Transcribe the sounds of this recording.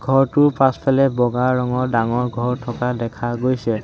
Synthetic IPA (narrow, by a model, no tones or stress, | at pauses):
ɡʱɔɹtʊpaspʰɛlɛbɔɡaːɔŋɔɹdaŋɔɹɡʱɔɹtʰɔkadɛkʰaɡojsɛ